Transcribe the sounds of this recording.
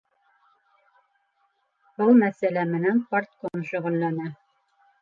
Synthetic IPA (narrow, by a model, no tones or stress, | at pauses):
bɤlˠmæsælæmɘ̆nænpart̪̚konʃɵ̆ʁɵ̆lːænæ